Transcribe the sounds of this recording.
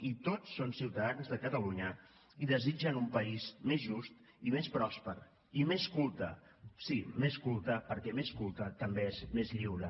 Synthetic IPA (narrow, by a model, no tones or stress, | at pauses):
it̪osːonsiwt̪əðanzðəkət̪əluɲə | iðəzid͡ʒənumpəizmezʒust̪ | imespɾɔspəɾ | imeskulˠt̪əsimeskulˠt̪əpəɾkɛmeskulˠt̪ət̪əmbeezmezʎiwɾə